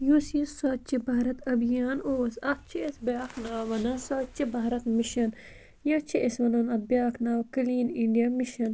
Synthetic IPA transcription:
jusisɐːt͡ʃibɐɦɾɐt̪ɐbjaːnoːsɐkt͡ʃʰiesbjaːknaːʋɐnɐsɐːt͡ʃibɐːɾɐt̪miʃɐn | jɐt͡ʃʰiʔesʋɐnɐnɐbjaːknaːwkɐliːniɳɖijamiʃɐn

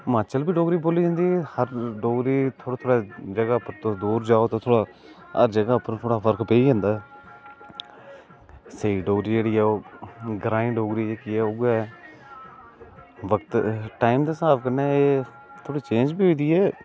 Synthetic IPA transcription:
maːt͡ʃəlbiːɖoːɡɾiːboːliːd͡ʒãːnd̪iːhəɾɖoːɡɾiːt̪ʰoːɽaːt̪ʰoːɽaːd͡ʒəɡaːpəɾt̪od̪uːɾd͡ʒaːoːt̪ãːt̪ʰoːɽaː | əɾd͡ʒəɡaːpəɾt̪ʰoːɽaːpʰəɾkʰpeːiːd͡ʒãːnd̪aːɛ | seːiːɖoːɡɾiːd͡ʒeːɽiːɛːoːɡɾãːĩːɖoːɡɾiːd͡ʒeːkiːɛːoɡɛ | ʋəkt̪ʈaːɪmd̪aːsaːpkənːɛːeː | t̪ʰoːɽiːt͡ʃẽːɲd͡ʒbiːoːd̪iːɛː

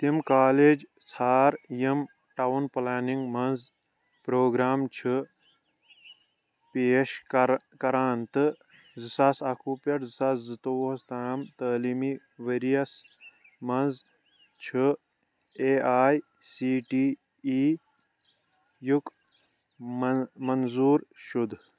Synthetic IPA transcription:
t̪imkaːleːd͡ʒ | sʰaːɾjim | ʈɐwunplaːniŋɡmɐnz | pɾoːɡɾaːmt͡ʃʰɨ | peːʃ | kɐɾaːnt̪ɨ | zɨsaːsɐkʰupɐʈzɨsaszɨt̪oɐst̪aːmt̪əːliːmi | ʋeɾijɐs | mɐnz | t͡ʃʰɨ | eːaːj | siːʈiː | iː | juk | mɐnzuːɾʃud̪

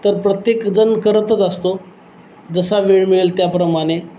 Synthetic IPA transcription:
t̪əɾpɾət̪jekd͡zənkəɾət̪ət͡s̪ast̪o | d͡zəsaʋeɭmiɭelt̪japɾəmaɽ̃e

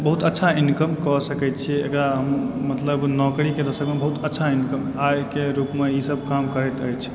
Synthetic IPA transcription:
bəɦut̪ətːʃʰainkəmkɔsəkɛt̪t͡ʃʰiḛkɾaɦəmːət̪ləbnɔkɾiked̪əsəkmebəɦut̪ətːʃʰainkəmajkeɾupmeisəb̚ʱkamkəɾɛjt̪əjt͡ʃʰ

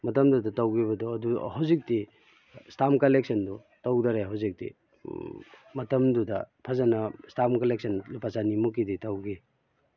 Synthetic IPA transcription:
mɐtɐmdudɐtawɡibɐdɔɐduhawzik̚ti | stamkɐleksʰɐndɔ | tawdaɾeɦawzik̚tḭ | mɐtɐmdudɐpʰazanɐstamkɐlek̚sɐnlupʰasanimukːiditawɡi

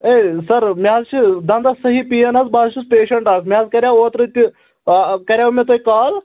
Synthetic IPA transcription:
eːsɐɾmʲjaːzt͡ʃʰid̪ɐnd̪asɐɦipijɐnɐzbaːzt͡ʃʰispeːʃɐɳʈaːkmʲjaːzkɐɾʲjaːoːt̪ɾɨt̪ʲi | kɐɾʲjaːmʲet̪oikaːl

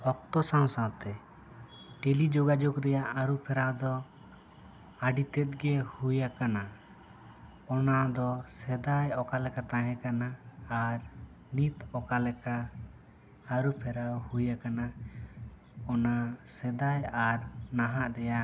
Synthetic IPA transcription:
ɔk̚t̪ɔsãw̃sãwt̪ɛ | ʈelid͡ʒɔɡad͡ʒɔkɾɛjaʔaɾupʰɛɾawd̪ɔ | aɖit̪ɛt̪̚ɡɛhujakana | ɔnad̪ɔsɛd̪ajɔkalɛkat̪ãɦɛ̃kanaːɾ | nit̪ɔkalɛka | ɾupʰɛɾawhujakana | ɔnasɛd̪ajaɾnaɦaʔɾɛjaʔ

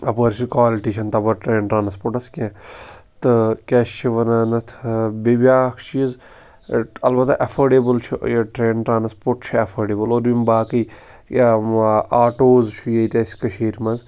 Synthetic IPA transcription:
ɐpəɾt͡ʃʰikʋaːliʈiːt͡ʃʰɐnt̪ɐbɐɾʈɾeːɳʈɾaːnspoːɾʈɐskẽːt̪ɨkɛːʃt͡ʃʰiʋɐnanɐt̪ʰbibʲaːkʰt͡ʃʰiəz | ɐlbɐt̪ʔɐfʰɐːɖeːbəlt͡ʃʰujɐʈɾeːɳʈɾaːnspoːɾʈt͡ʃʰiɐfʰɐːɖeːbɐlod̪bimbaːkiː | aːʈoːzt͡ʃʰujɐit̪ʲɐːsʲkɐʃeːɾmɐnz

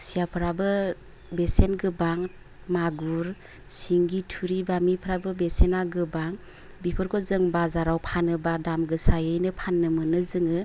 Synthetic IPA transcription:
sijapʰɯɾabɯ | besenɡɯbaŋ | maɡuɾ | siŋɡitʰuɾibamipʰɯɾabɯbesenaɡɯbaŋ | bipʰɯɾkʰɔzɯŋbazaɾawpʰanɯbadamɡɯsajɯjnɯpʰanːɯmɯnɯzɯŋɯ

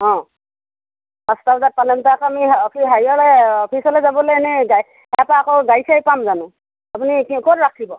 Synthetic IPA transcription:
ɔ̃ | pastabzat̚palɛmtakamiɔpʰiɦajɔlɛɔpʰisɔlɛzabɔlejnɛɡa | hɛpaːkɔɡajsajpamzanʊ̃ | apunikkɔtɹakʰibɔ

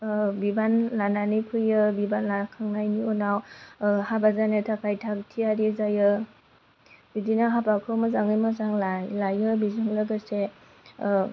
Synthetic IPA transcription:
bibanlananɯjpʰɯjɯbibanlakʰaŋnajniɔnawhabazanetʰakʰajtʰak̚tʰiaɾizajɯ | bidinaɦapakʰɯmɯzaŋɯjmazaŋlajlajɯbizɯŋlaɡase

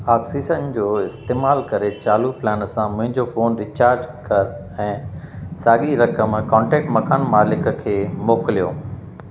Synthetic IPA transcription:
aːksiːsənd͡ʑoːɪst̪eːmaːlkɐɾet͡ɕaːluplɛːnsãmʊ̃ɦɪ̃ɲd͡ʑofoːnɾɪt͡ɕaːɾd͡ʑkɐɾ | ɛ̃ːsaːɠiɾɐkəmkɔ̃ːɳʈɛːk̚ʈmɐkaːnmaːlɪkəkʰeːmoːkɪlijoː

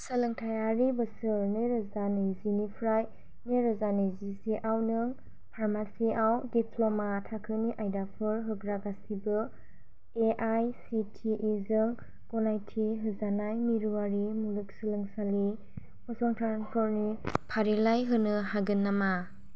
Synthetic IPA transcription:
sɯlɯŋtʰajaɾibɯsɯɾneɾɔzanizinipʰɾaj | neɾɔzanizisiʔawnɯŋ | pʰaɾmasiawdipʰlɔmatʰakʰɯniʔajdapʰɯɾɦɯɡɾaɡasibɯ | eʔajsitʰiʔizɯŋ | ɡ̥ɔnajtʰiɦɯzanajmiɾuaɾimulɯk̚sɯlɯŋsali | mɯsɔŋtʰaɾaŋpʰɔɾnipʰaɾilajɦɯnɯɦaɡɯnːama

